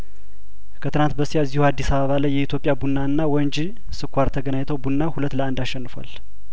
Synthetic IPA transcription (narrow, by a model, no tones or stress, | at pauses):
kʰət̪ʰɨnant̪̚bəsiazːihuad̪ːisaβəβalajːɛit̪ʰjopʼjabunːaɨnːawɔnd͡ʒ | sɨkʷʰːaɾt̪ʰəɡənaɲt̪ʰəwbunːahulət̪ːləand̪aʃːɛnːɨfa̰l